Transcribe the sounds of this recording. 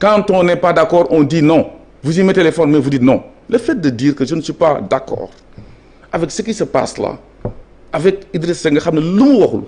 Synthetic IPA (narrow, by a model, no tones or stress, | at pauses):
kãntɔ̃nepadakɔɾõndinõ | vuzimetelefɔnmevudinõ | lefet̚dɐdiɾkɐsunsipadakɔ̰ɾ | aveksikisɐpa̰sla̰ | avɛk̚idɾesseŋɡɐxamnɐlumwokulṵ